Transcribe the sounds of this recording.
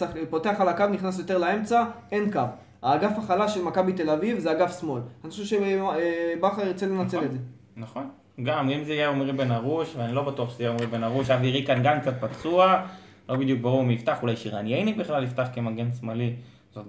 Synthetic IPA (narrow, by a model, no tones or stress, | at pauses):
apo̞t̪e̞aχalakavniχnas̬jot̪e̞ʁlae̞mt͡sae̞nkav | haːɡafaχalaʃe̞lmakabit̪e̞lavivzeaɡafsmo̞lanaʃuʃe | baχaet͡sele̞nat͡seeze | naχo̞n | ɡamimzeijeomʁibenaʁuʃveanilo̞bat̪uaχʃezijeomibenaʁuʃaviʁikanɡamk̚t͡sat̪̚pat͡sua | lo̞bid̪juk̚baʁuʁmiift̪aχulajʃiʁa̰njejnibiχlalift̪aχkemaɡensmali | z̥ot